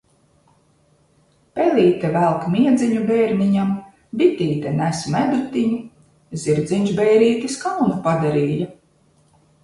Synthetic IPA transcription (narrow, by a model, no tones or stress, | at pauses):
pelʲiːt̪ɛvælˠkmiɛd̪ziɲubɛːɾniɲam | bit̪iːt̪ɛnæsmæd̪ut̪iɲu | zʲiɾd̪zʲiɲʲʒbɛjɾiːt̪iskawnupad̪aɾiːja